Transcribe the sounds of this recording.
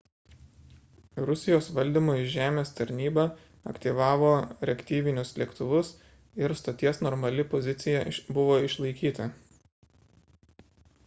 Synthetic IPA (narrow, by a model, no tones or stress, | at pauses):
ɾʊsʲɪjoːsʋɐlʲd̪ʲiːˑmoːɪʒʲæːmʲeːst̪ɐɾʲnʲiːbɑ | ɐ̰kʲt̪ʲiːʋɑːʋoːɾʲɛkʲt̪ʲiːʋʲɪnʲʊslʲɛkt̪ʊʋʊs | ɪɾst̪ɐt̪ʲiɛsnɔɾmɐlʲɪpɔzʲɪt̪sʲɪjɛbʊʋoːɪʃlˠɐɪkʲiːt̪ɐ